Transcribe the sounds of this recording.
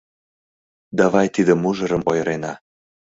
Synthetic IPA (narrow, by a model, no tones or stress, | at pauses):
d̪ɑβɑjt̪id̪ə̆muʒɤ̆ɾə̆mojɾenɑ